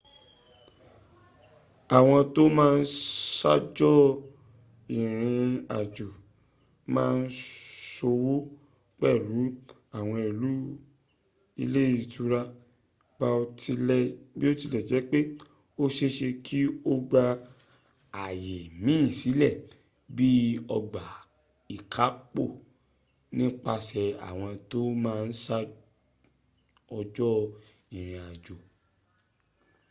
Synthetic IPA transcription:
a˨w̃ɔ̃˧to˦mãː˦˧n̩˦sa̰˦d͡ʒɔ˦ | i˨ɾ̃ĩ˧a̰˨d͡ʒo˨ | mãː˦˧n̩˦so˧wo˦ | k͡pɛ˦˨ɾu˨˦ | a˦˨w̃ɔ̃˧i˨lu˦ | ḭ˧le˦i˦˨tu˧˦ɾa˧ | ba˧o˧i˧˨bi˦o˦ti˧lɛ˨d͡ʒɛ˨˦k͡pe˦ | o˦ʃe˦ʃe˧kʰi˦o˦ɡ͡ba˧ | a˨je˨mĩ˨˦˨si˨˦lɛ˦˨ | bi˦ɔ˧ɡ͡ba˨ | i˨kʰa˨˦k͡po˦˨ | nĩ˦k͡pa˧sɛ˧a̰˨w̃ɔ̃˧to˦mãː˦˧n̩˦sa˦ | ɔ˧d͡ʒɔ˦ | i˨ɾ̃ĩ˨a˨d͡ʒo˨

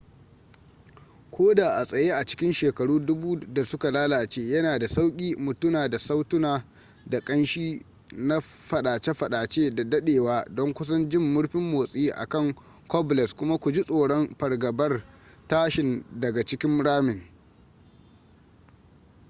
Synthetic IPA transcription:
kʷoː˦daː˨ʔa˨sʼɐ˨jeː˦ʔa˨t͡ʃɪ̥˦kʲɪ˦nʃeː˨kɐ˨ɽuː˦dʊ˦buː˦da˨sʊ˦ka˨laː˦laː˨t͡ʃeː˦jɐ˦naː˨da˨sa˦wkʲʼiː˦mʊ˨tʊ˦naː˨da˨sa˦wtʊ˦naː˨ | da˨kʼɐ˦nʃiː˦ | na˦ | ɸɐ˨ɗaː˨t͡ʃe˦ɸɐ˨ɗaː˨t͡ʃeː˦da˨dɐ˦ɗeː˨waː˦dɔ˦ŋkʷʊ˦s̬ɐ˦nd͡ʒɪ˦˨mːʊ˦ɽɸɪ˦mːoː˨sʼiː˦ʔa̰˨kɐ˦˨ŋ | kɔ˦blɛ˨skʷʊ˦ma˦kʷʊ˨d͡ʒi˦sʼoː˨ɽɔ˦mɸɐ˨rɡɐ˨bɐ˦r | taː˦ʃɪ˨ndɐ˨ɡa˨t͡ʃɪ˦kʲɪ˦mɽaː˦mɪ˨ŋ

